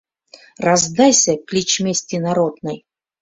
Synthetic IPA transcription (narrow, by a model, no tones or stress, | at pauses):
razd̪ajsʲəklʲit͡ɕmʲesʲt̪ʲinaɾod̪nəj